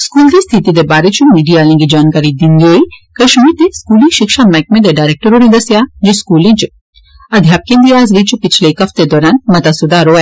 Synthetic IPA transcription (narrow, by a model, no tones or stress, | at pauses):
skuːld̪est̪ʰit̪id̪ebaːɾet͡ʃumiːɖijaːlĩɡid͡ʒaːnkaːɾid̪ind̪oikɐʃmiːɾt̪eskuːlĩʃɪkʃamɛk̚mẽd̪eɖaːjɾek̚ʈəɾoɽĩd̪ɐsjad͡ʒiskuːlĩt͡ʃ | ɐd̪ʱjaːp̚kẽnd̪iaːzɾit͡ʃupɪt͡ʃʰlekɐft̪ed̪ɔːɾaːnmɐt̪asʊd̪aɾoɛ